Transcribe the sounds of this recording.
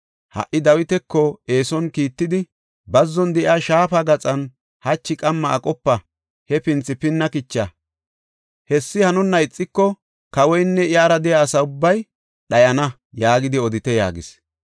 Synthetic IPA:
hɐ̰ʔɪd̪ɐwɪt̪ɛkːɔe̞ːsɔnkiːt̪ːɪd̪ɪ | bɐzːɔnd̪ɛʔaʃaːfɐɡɐt͡sʼɐn | hɐt͡ʃːɪkʼɐmːɐːkʼɔpːɐ | hɛpɪnt͡sːɪpɪnːɐkɪt͡ʃːɐ | hɛsːɪhɐnɔnːɐɪt͡sʼːɪkːɔ | kɐwɔjnːɛɪjaːɾɐd̪ɛjaːsɐʊbːɐj | ɗɐjɐnɐ | jaːɡɪd̪ɪɔd̪ɪt̪ɛja̰ːɡɪs

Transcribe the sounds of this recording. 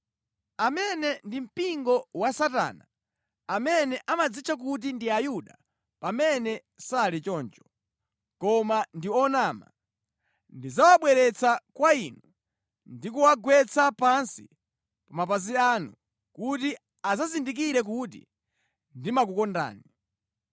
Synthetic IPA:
amɛnɛndim̩piŋɡɔwasata̰ːna̰ | amɛnɛʔamad͡zit͡ʃak̬ut̬indiajuɗa | pamɛnɛ | salit͡ʃɔːnt͡ʃɔ̥ | kɔmandiɔnama̰ | ndizawaɓwɛɾɛt͡sakwainu | ndikuwaɡwɛt͡sapansi | paɔmap̬azianu | kuti | azazindik̬iɾɛk̬utḭ | ndimakukɔnda̰ːni

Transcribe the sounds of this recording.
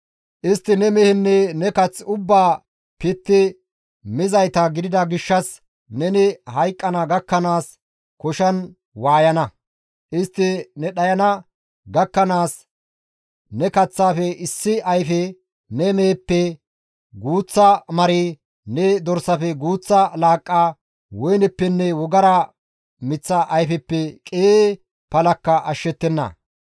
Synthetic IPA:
ʔɪst̪ːɪnɛmɛhɪnːɛnɛkɐt͡sːʊbːaː | pɪt̪ːɪ | mɪzɐjt̪ɐɡɪd̪ɪd̪ɐɡɪʃːɐs | nɛnɪhɐjkʼːɐnɐɡɐkːɐnaːs | kɔʃɐn | waːjɐnɐ | ʔɪst̪ːɪnɛɗɐjɐnɐ | ɡɐkːɐnaːs | nɛkɐt͡sːaːfɛʔɪsːɪɐjfɛ | nɛmeːpːɛ | ɡuːt͡sːɐmɐɾi | nɛd̪ɔɾsɐfɛɡuːt͡sːɐlaːkʼːaː | wɔjnɛpːɛnːɛwɔɡɐɾɐ | mɪt͡sːɐʔɐjfɛpːɛkʼeː | pɐlɐkːɐʔɐʃːɛt̪ːɛnːɐ̰

